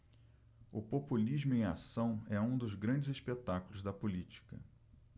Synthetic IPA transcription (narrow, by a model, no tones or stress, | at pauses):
ʊpopulizmʊẽj̃a̰sɐ̃w̃ɛũd̪ʊzɡɾɐ̃d͡ʒɪzispet̪akulˠʊzd̪ɐpulit͡ʃi̥kɐ̰